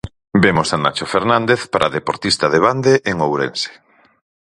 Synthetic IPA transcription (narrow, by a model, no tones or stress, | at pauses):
bemosana̰t͡ʃofeɾnand̪eθpaɾʔaðepoɾt̪ist̪ɐðeβ̞and̪eʔeŋowɾḛnse̥